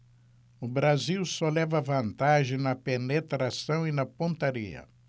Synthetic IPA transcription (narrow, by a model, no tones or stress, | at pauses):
ʊbɾaziwsɔlɛvɐvɐ̃nt̪aʒẽj̃nɐpenet̪ɾasɐ̃w̃inɐpõnt̪aɾḭɐ̰